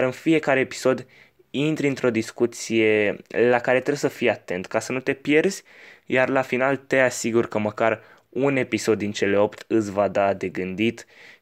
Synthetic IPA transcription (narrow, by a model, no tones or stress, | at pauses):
aɾɨnfije̞kaɾe̞ːpi̥so̞d̪ | int̪ɾʲɨnt̪ɾo̞d̪iskut̪sije̞lakaɾe̞t̪ɾesəfijeat̪e̞nt̪kasənut̪e̞pje̞rzʲjarlafinalt̪e̞asiɡurkəməkar | une̞piso̞d̪ːint͡ʃe̞leo̞pt̪ɨsʲvad̪ad̪e̞ɡɨnd̪it̪